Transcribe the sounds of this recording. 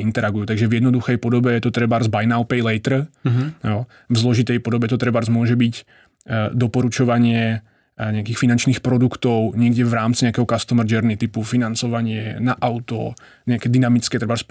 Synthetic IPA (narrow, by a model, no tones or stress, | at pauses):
int̪ɛɾaɡujuːt̪aɡʒɛvjɛd̪nɔd̪uxɛjpɔd̪ɔbɛjɛt̪ɔt̪ɾɛbaɾzbajnaʊpɛjlɛjt̪r̩ | vzlɔʒit̪ɛjpɔd̪ɔbɛt̪ɔt̪ɾɛbaɾzmʊɔʒɛbic | d̪ɔpɔɾut͡ʃɔʋaɲɪɛ | ɲɛakiːxfinant͡ʃniːxpɾɔd̪ukt̪ɔʊɲɪɛɡɟɛʋɾaːmtt͡siɲɛakɛɦɔkast̪ɔmɾd͡ʒɛɾnit̪ipufinant͡sɔʋaɲɪɛnaʔaʊt̪ɔ̰ | ɲɛakɛd̪inamit͡skɛt̪ɾɛbaɾs